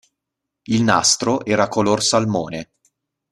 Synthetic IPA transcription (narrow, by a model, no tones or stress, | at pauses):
ilna̰st̪ɾoʔɛːɾakolorsalmoːne